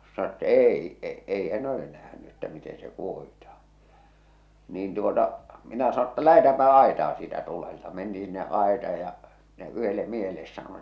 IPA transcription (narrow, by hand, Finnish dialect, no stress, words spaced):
sɑno tːɑ eˑi e ei hæn ole næhny etːæ miten se kuohitɑh̞ɑ̃ː niːn tuotɑ minæ sɑno tːɑ læhetæːmpæ ɑetɑː siːtæ tuleltɑ mentiː sinːeʔ ʔɑetɑːj jɑ m̥i̥næ yhelːe miehelːes sɑnon